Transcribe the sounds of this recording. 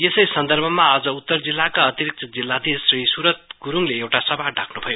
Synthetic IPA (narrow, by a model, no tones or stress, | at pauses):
esʌjsʌnd̪ʌrbʱʌmaʌd͡zʌut̪ːʌrd͡zilːakaʌt̪iɾik̚t͡sʌd͡zilːad̪esrisuɾʌt̪̚ɡ̥uɾuŋleewʈasʌbʱaɖʱakʰnubʱʌjo